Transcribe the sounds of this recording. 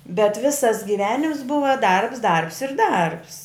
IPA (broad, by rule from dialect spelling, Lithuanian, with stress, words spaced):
bʲɛt ˈʋʲɪsɐs ɡʲɪˈʋʲæːnʲɪms ˈbʊʋɐ ˈdɐrps ˈdɐrps ɪr ˈdɐrps